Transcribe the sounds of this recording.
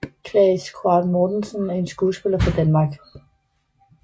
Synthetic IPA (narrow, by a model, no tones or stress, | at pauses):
kʰlɛskʰoɑd̥moːd̥ensənæe̝nsɡ̥uːsb̥elɐfʁɑ̈d̥ænmɑ̈ːɡ̥